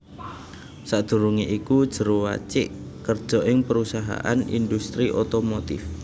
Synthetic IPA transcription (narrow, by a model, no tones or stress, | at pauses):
sad̪̥ṳɾuŋiʔikud̥ʒ̥ə̤ɾowa̰t͡ʃɪʔkərd̥ʒ̥ɔ̤ʔɪŋpəɾusaɦa̰ʔanḭnd̪ust̪ɾiʔot̪omot̪ɪf